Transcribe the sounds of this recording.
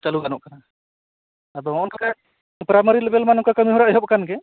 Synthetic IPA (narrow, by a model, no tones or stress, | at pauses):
t͡ʃaluɡanɔʔkana | ad̪ɔɔɔnkaka | pɾaməɾilɛbɛlmanɔkakəmiɦɔɾaʔɦɔp̚kanɡɛ